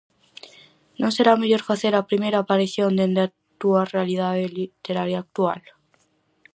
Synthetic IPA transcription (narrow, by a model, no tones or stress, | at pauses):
nonse̞ɾameʎo̞ɾfaθe̞ɾapɾimeɾaːpaɾiθjond̪end̪a | t̪uarealið̞aðelit̪eɾaɾjaːk̚t̪ua̰l